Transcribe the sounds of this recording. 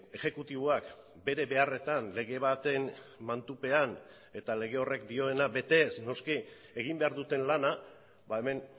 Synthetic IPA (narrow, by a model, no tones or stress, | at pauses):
e̞xe̞kut̪iβ̞oak | be̞ɾe̞βe̞are̞t̪anle̞ɣ̞e̞β̞at̪e̞nmant̪upe̞an | e̞t̪ale̞ɣ̞e̞o̞re̞kd̪io̞e̞nabe̞t̪e̞sno̞ski | e̞ɣ̞imbe̞aɾðut̪e̞nlana | bae̞me̞n